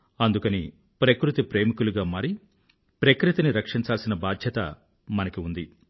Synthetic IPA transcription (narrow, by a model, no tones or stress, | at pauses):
ɐnd̪ukɐni | pɾɐkɾut̪ipɾe̞ːmikuluɡaːmaːɾi | pɾɐkɾut̪iniɾɐkʂiɲt͡ʃaːlsinɐbaːd̪ʱjɐt̪ɐ̰ | mɐnɐkiund̪i